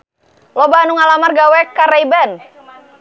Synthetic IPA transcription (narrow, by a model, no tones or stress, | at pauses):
lɔbaanuŋalamarɡawɛkaɾɛjbɛn